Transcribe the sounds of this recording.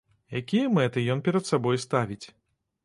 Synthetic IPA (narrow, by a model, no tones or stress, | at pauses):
jakʲijɐmɛt̪ɨjɔnpʲɛɾɐt̪sabɔjst̪avʲit͡sʲ